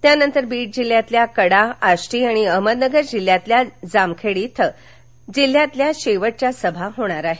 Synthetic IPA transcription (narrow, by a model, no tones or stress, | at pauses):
t̪janənt̪əɾbiːʈ̚d͡ʑil̤ːjat̪ljakəɽaaɕʈiːaɽ̃iəməd̪nəɡəɾd͡ʑil̤ːjat̪ljad͡zamkʰeɽit̪ʰ | d͡ʑil̤ːjat̪ljaɕeʋəʈ̚t͡ɕjasəbʱaɦoɽ̃aɾaɦe